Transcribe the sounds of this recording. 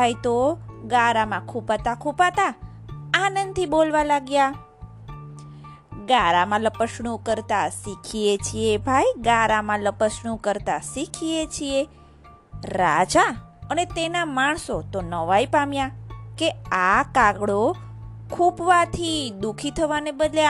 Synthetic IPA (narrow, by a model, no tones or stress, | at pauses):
bajt̪oɡaɾamãkʰupat̪akʰupat̪aː | nənd̪̚t̪ʰibolʋalaɡja | ɡaɾamãləpəʃɳũkəɾt̪asikʰiet͡ʃʰiebʱajɡaɾamãləpəʃɳ̃ũkəɾt̪asikʰiet͡ʃʰie | ɾad͡ʒa | ənet̪enamaɳ̃sot̪onəʋajpamjakeakaɡɽo | kʰupʋat̪ʰid̪ukʰit̪ʰəʋanebəd̪le